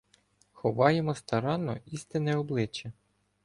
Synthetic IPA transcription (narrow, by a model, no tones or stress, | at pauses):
xɔʋɑjemɔst̪ɐɾɑnːɔist̪ɪnɛɔblˠɪt͡ʃːɛ